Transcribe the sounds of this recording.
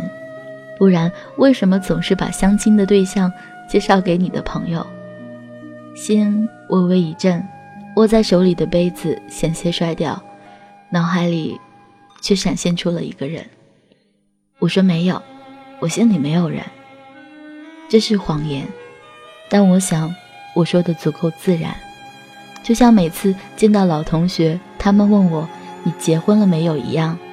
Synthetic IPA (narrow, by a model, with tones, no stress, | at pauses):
n | pu˥˩ɻa˧˥n | we˥˩ɪʂə˧˥nmə˧t͡sʊ˨˩ŋʂɻ̩˥˩pa̰˨˩ɕjɑ˥ŋt͡ɕʰi˥ŋd̪ə˨t̪̬we˥˧ɪɕjɑ˥˧ŋ | t͡ɕjɛ˥˧ʂɑ˥˩ʊke˧˥ɪni˨˩d̪ə̰˦pʰɤ˧˥ŋjo˧ʊ | ɕi˥n | wʔɔ˨˩we˧˥ɪi˧˥˩ʈ͡ʂə˥˩nwɔ˨˩t͡sa˥˩ɪʂo˧˥ʊli˨˩d̪ə˦pe˥ɪd͡zɹ̩˨˩ɕjɛ˨˩nɕjɛ˧˥ʂwa˥ɪt̪jɑ˥˩ʊ | nɑ˧˥ʊxa˧˥ɪlḭ˨˩ | t͡ɕʰɥɛ˥˩ʂa˨˩nɕjɛ˥˩nʈ͡ʂʰu˥lə̰˨ḭ˧˥ɡə˧ɻə̰˧˥n | wɔ˨˩ʂwɔ˥me˧˥ɪjo˨˩ʊwɔ˨˩ɕi˥nli˨˩me˧˥ɪjo˨˩ʊɻə̰˧˥n | ʈ͡ʂɤ˥˧ʂɻ̩˥˩xwɑ˧˥ŋjɛ˧˥n | t̪a˥˩nwɔ˧˥ɕjɑ˧˥ŋ | wɔ˨˩ʂwɔ˥d̪ə˨t͡su˧˥kʰo˥˩ʊt͡sɹ̩˥˩ɻa̰˧˥n | t͡ɕjo˥˧ʊɕjɑ˥˩ŋme˨˩ɪt͡sʰɹ̩˥˧t͡ɕi˥˧nt̪ɑ˥˩ʊlɑ˨˩ʊt̪ʰʊ˧˥ŋɕɥɛ˧˥t̪ʰa˥mə˨nwə˥˩nwɔ˨˩˦ni˨˩t͡ɕjɛ˧˥xwə˥nlə˨me˧˥ɪjo˨˩ʊḭ˧˥jɑ˥˩ŋ